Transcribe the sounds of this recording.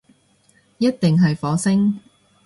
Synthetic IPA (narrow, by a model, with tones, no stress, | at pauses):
jɐ˥t̚t̪ɪ˨ŋɦɐ˨jfɔː˨˥sɪ˥ŋ